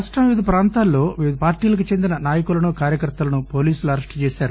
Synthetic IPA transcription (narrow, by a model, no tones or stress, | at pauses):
ɐʂʈɐmʋiʋid̪ɐpɾaːnt̪aːlːo̞ːʋiʋid̪ʱɐpaːɾʈiːlɐk̬ut͡ʃe̞nd̪inɐnaːjɐkulɐnukaːɾjɐkɐɾt̪ːɐlɐnupo̞ːliːsuluɐɾɐʂʈt͡ʃɛːʃaːɾu